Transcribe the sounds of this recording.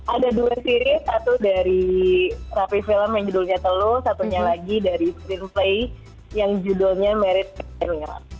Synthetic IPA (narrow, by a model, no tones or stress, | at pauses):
ʔadaduasiɾisat̪udaɾi | rapifiləmjaŋd͡ʒədulɲat̪əlʊsat̪uɲalaɡidaɾiskɾinplej | jaŋd͡ʒudɔlɲamɛɾɪt̪̚ɛnŋa̰